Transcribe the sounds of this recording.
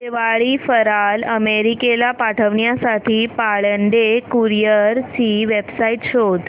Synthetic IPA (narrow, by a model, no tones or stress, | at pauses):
teʋaɭiːfəɾaləmeɾikelapaʈʰəʋɳjasaʈʰiːpaɭəɳɖekuɾijəɾt͡ɕiːʋebsaiʈɕod̪